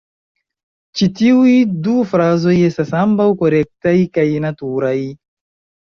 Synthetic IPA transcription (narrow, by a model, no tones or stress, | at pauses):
t͡ʃitiujdufɾazo̞je̞stasambawko̞ɾe̞k̚tajkajnatuɾaj